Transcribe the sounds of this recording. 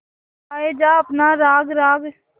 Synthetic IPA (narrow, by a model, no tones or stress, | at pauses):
aːeːd͡ʒaːəpnaːɾaːɡɾaːɡ